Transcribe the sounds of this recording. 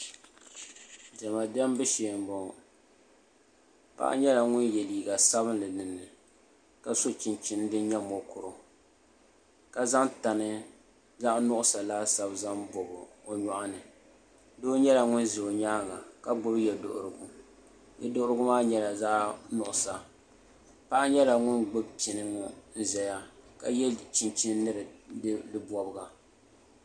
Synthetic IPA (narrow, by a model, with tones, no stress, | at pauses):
d͡ʒɛ˨ma˨dɛ˦mbɨ˦ʃe˨mbɔ˨ | pa̰˦ʔa̰˦ɲɛ˦la˨ŋʊ˦njɛ˨liː˨ɡa˨sa˦bɨ˦nlɨ˨nɨ˨nːɨ˨ | ka˨so˦t͡ʃɪ˨nt͡ʃɪ˨n˦dɨ˦nɲɛ˦mo˨kʊ˨ɾʊ˨ | ka˨za˦ŋta˨nɨ˦ | za˦ʔnʊ˦ʔʊ˦sa˨laː˦sa˦bza˦mbo˨bɨ˨o˨ɲa˨ʔa˦nɨ˨ | do˦ɲɛ˦la˨ŋʊ˦nzi˨o˨ɲaː˦ŋa˨ka˦ɡ͡bʊ˦bjɛ˨do̰˨ʔʊ̰˨ɾɨ˨ɡʊ˨ | jɛ˨dʊ˦ʔʊ˦ɾɨ˦ɡʊ˦maː˦ɲɛ˦la˨za˦ʔnʊ˨ʔʊ˨sa˨ | pa˦ʔa˦ɲɛ˦la˨ŋʊ˦nɡ͡bʊ˦bt͡ʃi˨nɨ˦ŋʊ˦n̩˦zɛ˨ja˦ka˨jɛ˦lt͡ʃi˨nt͡ʃi˦n˦nɨ˦ɾɨ˨˦dɨ˦bɔ˨bɨ˦˨ɡa˨